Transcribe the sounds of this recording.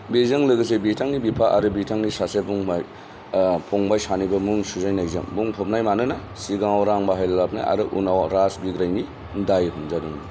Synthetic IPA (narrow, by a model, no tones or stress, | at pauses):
bezɯŋlɯɡɯs̬ebitʰaŋnibipʰaʔaɾɯbitʰaŋnisasebuŋmaj | pʰɔŋbajsanibɐmuŋsuzajnajzɯ̰ŋbuŋpʰɔp̚najmanɯna | siɡaŋwɾaŋbaɦajllapna̰jʔa̰ɾɯʔunawɾasbiɡɾajni | dajɦumzaduŋi